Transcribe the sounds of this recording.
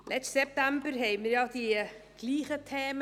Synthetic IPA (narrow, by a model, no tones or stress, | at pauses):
lɛstsɛp̚tambəɾɦɛɪməɾjɑdiɡ̥liːχətʰeːm